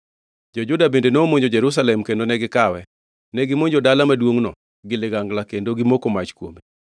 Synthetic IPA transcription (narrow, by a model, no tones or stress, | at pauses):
d͡ʒɔd͡ʒʊdabendenoːmoɲd͡ʒod͡ʒɛɾus̬alɛmkendonɛɡɪkawɛ | nɛɡɪmoɲd͡ʒodalamadwoŋnɔ | ɡɪlɪɡaŋɡlakendoɡɪmokomat͡ʃkwo̰mi